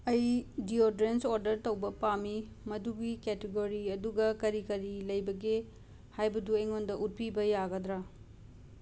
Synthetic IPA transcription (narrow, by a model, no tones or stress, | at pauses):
ɐjdiodɾensoɾdɐɾtɐwbɐpami | mɐduɡiketeɡoɾiɐduɡɐkɐɾikɐɾilɐjbɐɡe | hajbɐduejŋondɐʔut̚pibɐjaɡɐdɾa